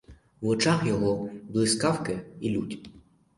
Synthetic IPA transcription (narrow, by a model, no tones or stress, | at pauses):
wɔt͡ʃɑxjɔɦɔblˠɪskɑwkɪilʲutʲ